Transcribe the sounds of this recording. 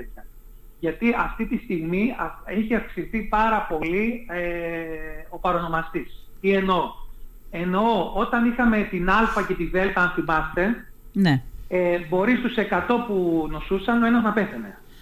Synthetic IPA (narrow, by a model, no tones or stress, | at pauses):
et̪çɐ | ʝɐt̪iɐft̪it̪ist̪iɣmiɐeçiɐfksisθipɐɾɐpo̞lie | o̞pɐɾo̞no̞mɐst̪is | ie̞no̞ | e̞no̞ot̪ɐnixɐme̞t̪inɐlfɐce̞t̪iðe̞lt̪ɐɐnθimɐst̪e̞ | neebo̞ɾist̪use̞kɐt̪o̞puno̞susɐno̞e̞nɐznɐpeθene̞̰